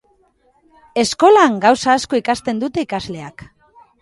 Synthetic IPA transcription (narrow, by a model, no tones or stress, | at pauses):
e̞sko̞laŋɡawsaːsko̞ikast̪e̞nd̪ut̪e̞ikazle̞ak